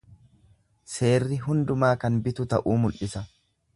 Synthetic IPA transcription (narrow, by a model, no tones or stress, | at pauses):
se̞ːrːɪɦʊnd̪ʊmaːkɐnbɪt̪ʊt̪ɐʔuːmʊlʔɪsɐ